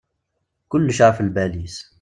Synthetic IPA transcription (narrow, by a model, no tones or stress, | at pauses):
kʊlːʃaʕfəlbælis